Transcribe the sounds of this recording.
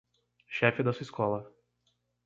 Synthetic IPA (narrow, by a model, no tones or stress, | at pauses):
ʃɛfɪd̪ɐsuiskɔlɐ